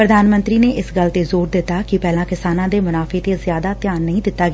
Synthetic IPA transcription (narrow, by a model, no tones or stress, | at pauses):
pɾəd̪ʱaːnmə̃nt̪ɾiːneːʔɪsɡəlt̪eːzoːɾd̪ɪt̪ːaːkɪpɛːlãːkɪsaːnãːd̪eːmʊnaːfʰeːt̪eːzjaːd̪aːt̪jaːnːəĩːd̪ɪt̪ːaːɡɪː